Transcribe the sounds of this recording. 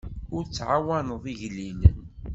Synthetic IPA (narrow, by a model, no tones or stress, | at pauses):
ʊɾt͡sːʕawænəðˤiʝlinən